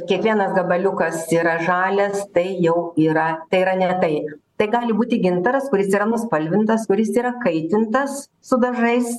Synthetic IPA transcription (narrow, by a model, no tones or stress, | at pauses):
kʲiɛkʋʲiɛnɐsɡɐbɐlʲʊkɐsiːɾɐʒɑːlʲɛst̪ɐɪjɛʊiːɾɐt̪ɐɪiːɾɐnʲɛt̪ɐɪt̪ɐɪɡɑːlʲɪbuːt̪ʲɪɡʲɪnt̪ɐɾɐskʊɾʲɪsiːɾɐnʊspɐlʲʋʲɪnt̪ɐskʊɾʲɪsiːɾɐkɐɪt̪ʲɪnt̪ɐs | sʊd̪ɐʒɐɪs